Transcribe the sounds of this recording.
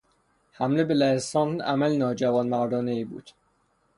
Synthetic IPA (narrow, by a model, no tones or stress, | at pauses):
hæmlebelæesɒːnæ̰mælnɒːd͡ʒævɒːnmæɾd̪ɒːneiːbṵːd̪̥